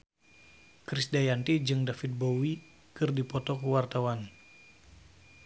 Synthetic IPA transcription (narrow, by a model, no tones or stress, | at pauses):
kɾisdajant̪id͡ʒɨŋdafit̪̚bowi | kɨrdipɔt̪ɔkəwart̪awan